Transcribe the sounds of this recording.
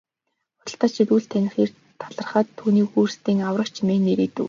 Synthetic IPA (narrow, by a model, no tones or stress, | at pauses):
χʊ̥ɞ̆ɬt̪ə̆ːt͡ɕʰit̪uːɬt̪ʰænʲɪ̆χiːr | t̪ʰaɮə̆rχə̆ːt̪ʰːuːniːxuːrst̪iːŋawrə̆kt͡ɕʰimeːnːeɾiːt̪ɘ̆w